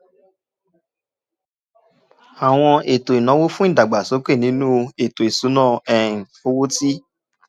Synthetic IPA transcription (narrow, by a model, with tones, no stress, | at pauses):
a˨w̃ɔ̃˧e˨to˨i˨nɔ̃˨˦wo˦fũ˦ĩ˦˨da˨ɡ͡ba˨so˨˦k͡pe˦˨nĩ˨˦nũ˦˧e˨to˨e˨su˨˦nɔ̃ː˦˨ɛ̃˦˨o˦wo˦ti˦